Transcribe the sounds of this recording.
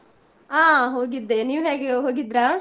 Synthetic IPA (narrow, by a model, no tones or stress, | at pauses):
aːɦoːɡid̪ːeniːʋɦeːɡeɦoːɡid̪ɾa